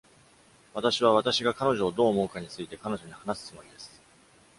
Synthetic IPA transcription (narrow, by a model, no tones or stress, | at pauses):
βat̪aɕiβ̞aβat̪aɕiɡakano̞ʑo̞ːd̪o̞ːmo̞ːkaɲ̟it͡sɨit̪e̞kano̞ʑo̞ɲ̟ihanasɨ̥t͡sɨmo̞ɾʲid̪e̞sɨ̥